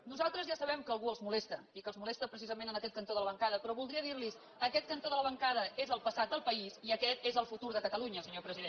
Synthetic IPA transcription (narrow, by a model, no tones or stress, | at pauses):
nuzalˠt̪ɾəzʒasəβɛmkəːlˠɣuəlˠzmulɛst̪əikəlˠzmulɛst̪əpɾəsizəmenənəkɛt̪̚kənt̪oðələβəŋkaðəpɾɔβulˠd̪ɾiəðiɾlis | əkɛt̪̚kənt̪oðələβəŋkaðəezəlˠpəsat̪̚d̪əlˠpəiziəkɛt̪ezəlˠfut̪uɾðəkət̪əluɲəsəɲopɾəziðen